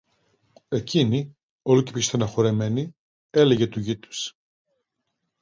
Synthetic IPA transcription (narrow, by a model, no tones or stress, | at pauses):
e̞cini | o̞luce̥pist̪ɐnɐxo̞ɾe̞me̞ni | e̞leʝe̞t̪uʝit̪u̥s